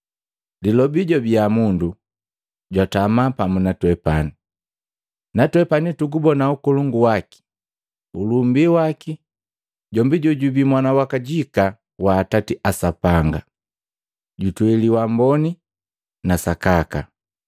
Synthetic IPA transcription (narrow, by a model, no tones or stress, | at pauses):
dilɔbiɟɔbiamundu | ɟwatamapamunatwɛpani | natwɛpanituɡubɔnaukuluŋɡuwaki̥ | ulumbiwaki | ɟɔmbiɟɔɟubimwanawakaɟika | waːtatiʔasapaŋɡa̰ | ɟutwɛliwambɔni | nasakaka̰